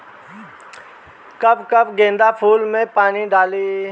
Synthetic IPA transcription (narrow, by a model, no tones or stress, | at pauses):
kɐbkəbɡẽːnd̪apʰuːlmẽpaːniɖaːliː